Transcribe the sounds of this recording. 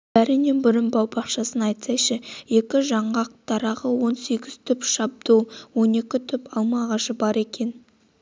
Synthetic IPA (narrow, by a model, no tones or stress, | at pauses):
æɾɪnebʏɾɪmbɑwbɑqʃɑsənɑjt̪sɑjʃəje̞kʲɪʒɑɴʁɑq̚t̪ʰɑɾɑʁəwo̞nse̞ɡʲɪz̥t̪ʰʏpʃɑb̚d̪uwwo̞ne̞kʲɪt̪ʰʏpɑlˠmɑʁɑʃəbɑɾe̞kʲe̞n